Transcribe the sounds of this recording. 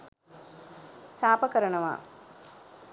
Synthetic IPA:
saːpɐkɐɾɐɳɐʋa̰ː

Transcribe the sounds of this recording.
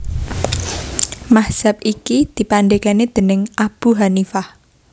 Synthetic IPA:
mahz̥ap̚ikid̪̥i̤panɖekaned̪̥ə̤nɪŋʔab̥uɦanifah

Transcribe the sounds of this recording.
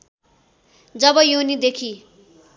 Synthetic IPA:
d͡zʌbʌjonid̪ekʰi

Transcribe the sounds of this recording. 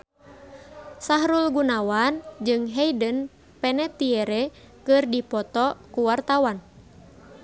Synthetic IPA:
saɦɾulɡunawand͡ʒɨŋɦɛjdən | pɛnɛt̪iɛɾɛ | kɨrdipɔt̪ɔkuwart̪awan

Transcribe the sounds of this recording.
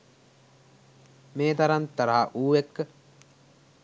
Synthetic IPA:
meːt̪ɐɾant̪ːɐɾaɦaʔuːʋekːə

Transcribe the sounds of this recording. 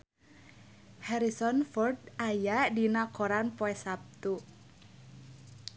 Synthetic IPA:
hɛɾisɔnfɔrdajaʔdinakoɾanpɔɛsap̚t̪u

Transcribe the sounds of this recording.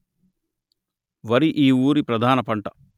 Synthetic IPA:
ʋɐɾiʔiːuːɾipɾɐd̪ʱaːnɐpɐɳʈɐ̥

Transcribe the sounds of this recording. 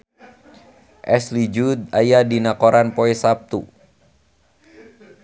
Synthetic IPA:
ʔɛslid͡ʒud̪̚ajadinakɔɾanpɔɛsap̚t̪ṵ

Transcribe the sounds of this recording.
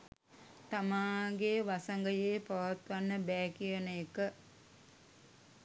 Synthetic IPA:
t̪amaːŋɡeʋasaŋɡəjeːpaʋat̪ʋanːəbɛːkijənəjekə

